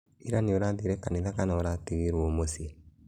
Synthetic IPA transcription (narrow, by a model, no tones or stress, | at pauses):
iɾanioɾaðeɾɛkaneðakanaoɾateɣeɾwomose